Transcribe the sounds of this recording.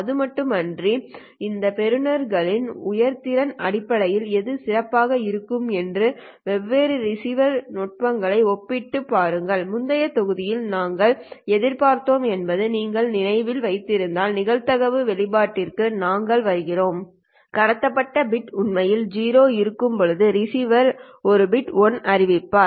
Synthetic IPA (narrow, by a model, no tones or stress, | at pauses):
ɐðɯmɐʈːɯmɐndri | ɪnd̪ɐpɛɾɯnɐɾɣɐɭɪnʊjɐɾt̪ɪɾɐnɐɽɪpːɐɭɐjɪlɛðɯsɪrɐpːaːɣɐɪɾɯkːɯmɛndrɯ | ʋɛʋːeːɾɯɾɪsiʋɐɾnɔʈ̚ʋɐŋɡɐɭɐɪɔpːɪʈːɯpːaːɾɯŋɡɐɭmʊnd̪ɐjɐt̪ɔɣɯðɪjɪlnaːŋɡɐɭɛðɪɾpaːɾt̪oːmɛnbɐðɯniːŋɡɐɭnɪnɐɪʋɪlʋɐɪt̪ːɪɾɯnd̪aːlnɪɣɐɭt̪ɐɣɐʋɯʋɛɭɪbaːʈːɪrkɯnaːŋɡɐɭʋɐɾɯɣɪroːm | kɐɽɐt̪ːɐpːɐʈːɐbɪʈʊnmɐjɪld͡ʒiːɾoːɪɾɯkːɯmpɔɻɯðɯɾɪsiːʋɐɾ | ɔɾɯbɪʈɔnɐɾɪʋɪpːaː